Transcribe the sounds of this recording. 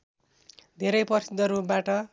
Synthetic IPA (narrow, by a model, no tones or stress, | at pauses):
d̪ʱeɾʌjpʌrsid̪ʱːʌɾupbaʈʌ